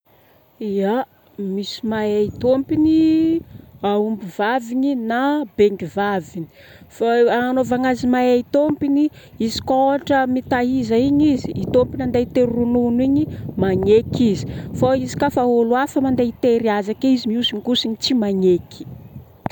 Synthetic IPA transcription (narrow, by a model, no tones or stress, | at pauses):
ia | misi̥majait̪ompini | aumbivaviɲinabeŋɡivavini̥ | faanovaŋazimajait̪ompini | izi̥koʈ͡ʂəmit̪aɦizaiɲiziʔːt̪ompinand̪et̪eɾununwiɲimaɲekizi̥faizi̥kafaoluafamand̪eit̪eɾiazakeizimiusiɲikusiɲit͡simaɲekʰi̥